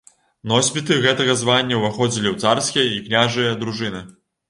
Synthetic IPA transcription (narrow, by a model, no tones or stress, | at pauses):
nɔsʲpʲit̪ɨɣɛt̪ɐɣɐzvanʲːɐwvaxɔd͡zʲilʲiwt̪sarskʲijɐiknʲaʐɨjɐd̪ɾuʐɨnɨ